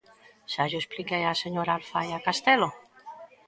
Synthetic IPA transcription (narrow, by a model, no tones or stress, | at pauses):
saʒoesplikejaseɲoɾalfajakast̪elo